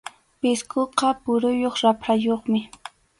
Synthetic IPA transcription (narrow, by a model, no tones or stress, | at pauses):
pɪskoqɑpʊɾʊjoχɾapɾajoχmɪ